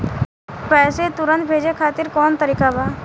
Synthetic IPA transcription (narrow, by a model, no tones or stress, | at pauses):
pɛːset̪ʊɾə̃nt̪̚bʱeːd͡ʒekʰaːt̪ɪɾkɔːnt̪əɾiːkabaː